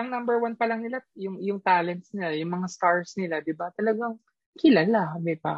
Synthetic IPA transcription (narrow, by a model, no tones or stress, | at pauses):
ʔɐŋnɐmbɛɹwanpɐlɐŋnɪlajʊŋjʊŋt̪aːlɛnt̪snɪlajʊŋmɐŋask̪aɹsnɪlad̪ɪbat̪ɐlɐɡaŋ | kɪlaːlaɐmɛpa̰